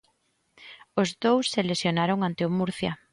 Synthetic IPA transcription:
ʊzðowsːelesjonaɾoŋant̪eʊmuɾθjɐ

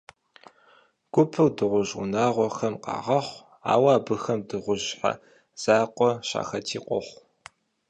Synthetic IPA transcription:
ɡ̥ʷʊpʰɨwdɨʁʷʊʑʊ̰naːʁʷɔxɐmqɑ̰ːʁɐχʷ | a̰ːwaːbɨxɐmdɨʁʷʊʒħa̰ | z̥aːqʷʼɔɕa̰ːxɐtʰiːqʷʼɔχʷ

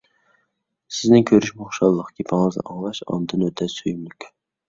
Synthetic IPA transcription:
sɪznɪŋkʲʰøɾyʃmoχʃɑlˠːəqkʰʲepʰɪŋɨznɨ̰ʔɑŋlˠɑʃɑ̰nd̪ɨnøt̪ʰɛsyjymlykʲ

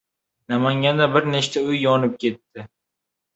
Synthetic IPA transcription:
namaŋɡʲand̪abɪɾneʃt̪ʰaʊjːɒnɪp̚kʲʰe̞t̪ʰːɪ

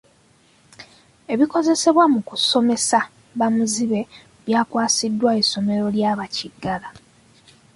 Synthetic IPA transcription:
e̞βiko̞ze̞se̞βwamukuso̞me̞sa | βamuziβe̞ | βjaːkwaːsidːwaeso̞me̞ɾo̞ljaːβaciɡːala

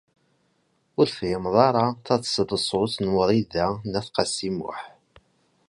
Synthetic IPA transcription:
ʊɾfɪmðˤɑɾˤɑθæθsðˤəsˤʊθnwəðˤiðænæθqɑsimʊ̰ħ

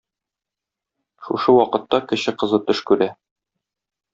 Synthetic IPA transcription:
ʃṵʃɤwɒqɤ̆t̪ːɑkɘ̆ɕɘqɤ̆zɤt̪ɵʃkʉɾæ

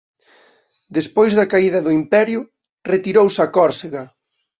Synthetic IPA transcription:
d̪espojzðɐkaiðɐðʊimpɛɾjʊ | ret̪iɾowsakɔɾseɣɐ

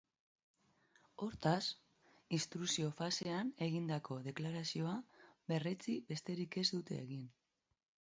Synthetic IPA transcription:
o̞ɾt̪as | ist̪ɾusio̞fase̞ane̞ɣind̪ako̞ðe̞klaɾasio̞aβe̞ret͡sibe̞st̪e̞ɾike̞zd̪ut̪e̞̰ːɣin

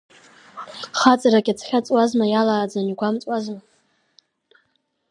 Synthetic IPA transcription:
χat͡sʼaɾakʲʼat͡sʰχʲat͡sʼwazmajalaːd͡zaniɡʷamt͡sʼwazma

